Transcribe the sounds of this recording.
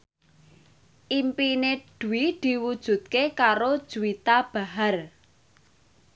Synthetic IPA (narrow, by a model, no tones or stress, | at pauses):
ʔimpineɖ̪̥ṳwid̪̥i̤wud̥ʒ̥ṳt̪̚kekaɾod̥ʒ̥uwit̪ab̥a̤ɦar